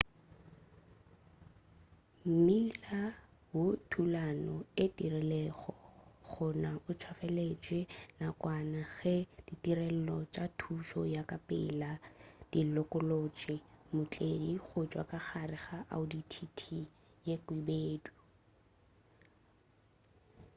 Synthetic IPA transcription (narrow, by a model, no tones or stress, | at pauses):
m̩mila | wʊtʰulanɔɪtirɛlɛχɔχʊnaʊt͡ʃʰwafɛlet͡ʃʼwɛnakʼwanaɣɛd̥itirɛl̩lɔt͡ʃʼatʰuʃɔjakʼapʼɪ̰lad̥ilɔkʼʊlot͡ʃʼɪmʊt͡ɬʼediχʊt͡ʃʼwa̰kʼaχarɪχaʔa̰ʊditʰitʰi | jekwibeːdu